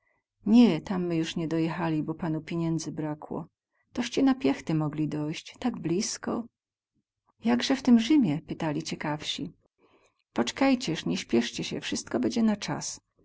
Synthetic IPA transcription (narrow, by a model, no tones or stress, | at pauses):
ɲɛt̪amːɘjuʂɲɛd̪ɔjɛxalʲibɔpanupʲjeɲɛnd̪zɘbɾakwɔ̰ | t̪ɔɕt͡ɕɛnapʲjɛxt̪ɘmɔɡlʲid̪ɔjɕt͡ɕt̪aɡblʲiskɔ̰ | jaɡʐɛft̪ɘmʐɘmʲjɛpɘt̪alʲit͡ɕɛkafɕi | pɔt͡ʂɛ̥kajt͡ɕɛʂɲɛɕpʲjɛʂt͡ɕɛɕɛ̰fʂɘst̪kɔbɛɲd͡ʑɛnat͡ʂa̰s